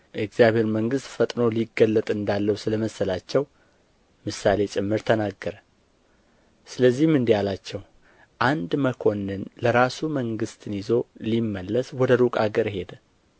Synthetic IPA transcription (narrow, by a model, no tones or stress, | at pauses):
ʔɛkz̥ijaβhe̞ɾməŋɡɨst̪fət̪ʼno̞liɡəlːət̪ʼɨnd̪alːəwusɨləməsəlat͡ʃːɛw | mɨsale̞t͡ʃʼɨmːɨɾt̪ʰənaɡːəɾə | sɨləzːihmɨnd̪ijalat͡ʃːɛw | ʔand̪məkʰo̞nːɨnləɾasuməŋɡɨst̪ʰɨnjizo̞limːəlːəswɔd̪əɾukʼaɡəɾhe̞d̪